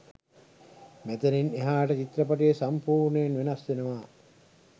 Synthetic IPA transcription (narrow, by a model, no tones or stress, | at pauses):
mæt̪ənineɦaːʈət͡ʃit̪ɾɐpaʈijesampuːɾnəjenʋenɐsʋenəʋaː